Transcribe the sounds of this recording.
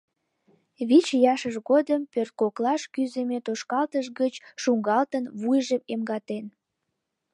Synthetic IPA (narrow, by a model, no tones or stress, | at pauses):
βit͡ɕjɑʃəʒɣod̪əmpørt̪̚koklɑʃkyzemet̪oʃkɑlt̪əʃɣət͡ɕʃuŋɡɑlt̪ənβujʒəmemɡɑt̪en